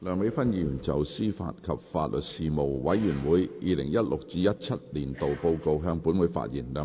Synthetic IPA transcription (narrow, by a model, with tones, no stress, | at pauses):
lœː˨˧ŋme˨˧˥jfɐ˥njiː˨˩˨nt͡sɐ˨wsiː˥fa̰ː˧t̚kʰɐ˨p̚faː˧t̚lɵ˨t̚siː˨mo˨wwɐ˨˥jːyː˨˩nwuː˨˥jʔiː˨˧lɪ̰˨˩ŋjɐ˥t̚lʔʊ˨k̚t͡siː˧jɐ˥t̚t͡sʰɐ˥t̚liː˨˩nt̪o˨wpo˧wko˧wɦœː˧ŋpuː˨˥nwuː˨˥jfa̰ː˧t̚jḭː˨˩nlœː˨˧